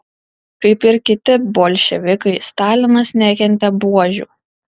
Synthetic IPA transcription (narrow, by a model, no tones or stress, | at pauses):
kɐɪpɪɾkʲɪt̪ʲɪboːlʲʃʲɛʋʲɪkɐɪst̪ɑːlʲɪnɐsnʲæːkʲɛnʲt̪ʲɛbuɔʒʲṵːˑ